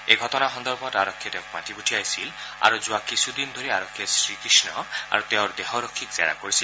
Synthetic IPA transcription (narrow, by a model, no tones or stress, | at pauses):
eɡʱɔtɔnaɦɔnd̪ɔɾbʱɔtaɾɔkʰːet̪ew̃kma̰tibuʈʰiajsila̰ɾuzuakisʰud̪ind̪ʱoɾiaɾɔkʰːesɾikɾisnɔa̰ɾut̪eʊɾd̪eɦɔɾɔkʰːikz̥a̰ɾa̰koɾisil